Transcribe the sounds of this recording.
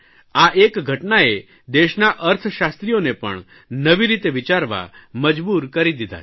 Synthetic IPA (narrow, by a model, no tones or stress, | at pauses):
aʔekɡʱəʈnae | d̪eʃnaʔəɾt̪ʰʃast̪ɾijonepə̰ɳ | nəʋiɾit̪eʋit͡ʃaɾʋa̰məd͡ʒbuːɾkəɾid̪id̪ʱa̰